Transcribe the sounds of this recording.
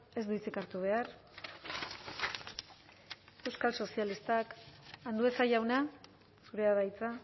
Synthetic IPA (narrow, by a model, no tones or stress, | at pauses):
e̞zd̪uit͡sikaɾt̪uβ̞e̞ar | e̞wskalso̞sialist̪akand̪ue̞sajawna | suɾe̞aðajt͡sa